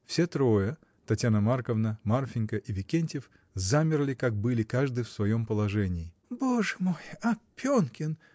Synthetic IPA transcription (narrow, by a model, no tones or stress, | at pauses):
fsʲet̪ɾojə | t̪ɐtʲjanəmarkəvnəmarfʲɪnʲkəʔivʲɪkʲenʲtʲɪf | zamʲɪrlʲɪkak̚bɨlʲɪkaʐd̪ɨjfsvɐjo̞mpəlˠɐʐɛnʲɪː | boʐɨmojapʲonkʲɪn